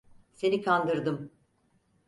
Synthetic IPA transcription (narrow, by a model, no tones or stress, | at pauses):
se̞nikʰand̪ɯɾd̪ɯm